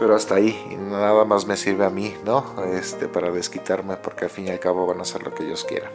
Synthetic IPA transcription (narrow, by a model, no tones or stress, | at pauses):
pe̞ɾo̞ast̪ainaðamazme̞siɾβe̞amino̞est̪e̞paɾaðe̞skit̪aɾme̞po̞ɾke̞alfinjalkaβo̞βanase̞ɾlo̞keeʝo̞skjḛɾan